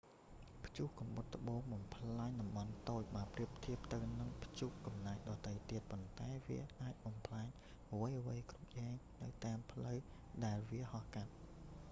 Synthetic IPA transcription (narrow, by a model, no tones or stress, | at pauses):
pʰjuːhkɑmɓɨt̪̚ʰːə̆ɓoːŋɓɑmpʰlaːɲɗɑmɓɑnt̪oːc̚ɓaːpriəp̚t̪ʰiəp̚t̪ɨwnɨŋpʰt͡ɕuːhkɑmnaɛk̚ɗɑːt̪əjt̪iət̪̚pont̪aɛʋḭəʔaːc̚ɓɑmpʰlaɛɲ | ʔʋəjʔəʋəjkrup̚jaːŋnɨwt̪aəmpʰləw | ɗaɛlʋiəhɑhkat̪̚